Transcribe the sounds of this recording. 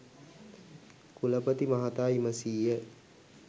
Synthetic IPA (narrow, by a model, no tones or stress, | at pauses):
kuləpət̪imaɦat̪aːiməsiːjə